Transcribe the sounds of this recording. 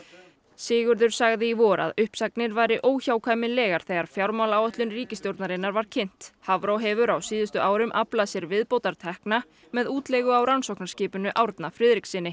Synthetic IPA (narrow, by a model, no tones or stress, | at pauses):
sɪːɣʏɾðʏɾ̥saɣðɪivɔːɾa̰ðʏhpsak̚nɪɾvaːjɾɪʔoːwçawkʰaːjmɪnlɛːɣaɾ̥θɛɣaɾ̥fjawɾmawlawœt̪lʏnriːcɪst̪jowɾt̪naɾɪnːaɾvaɾ̥cʰɪn̥t̪havɾowɦɛvʏɾawsiːðʏst̪ʏʔaːwɾʏmʔaplasjɛɾvɪðpowt̪aɾ̥t̪ʰɛhkna | mɛðuːt̪lɛɣʏawɾansowhknḁscɪːpʏnʏʔawɾt̪nafɾɪːðɾiksɪnːɪ